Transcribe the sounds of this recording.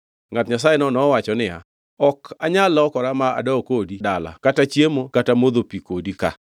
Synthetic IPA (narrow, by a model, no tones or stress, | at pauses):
ŋatɲas̬ajenɔnɔwat͡ʃɔnɪja̰ | ɔkaɲalɔkɔɾamaa̰dɔkodidala̰katat͡ʃjemokatamod̪opikodika̰